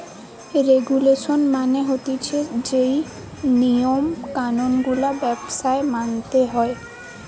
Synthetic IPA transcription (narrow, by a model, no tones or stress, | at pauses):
ɾeɡuleʃonmaneɦot̪it͡ɕʰed͡ʑej | nijomkanonɡulabɛbsaemant̪eɦɔe